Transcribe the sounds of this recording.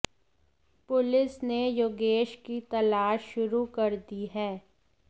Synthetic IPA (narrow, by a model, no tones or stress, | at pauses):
pʊlɪsnejoːɡeːʃkit̪ɐlaːʃːʊɾukɐɾd̪iɦɛː